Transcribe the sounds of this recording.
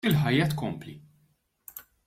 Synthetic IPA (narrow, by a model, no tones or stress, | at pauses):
ɪlħɐjːɐt̪kɔmpli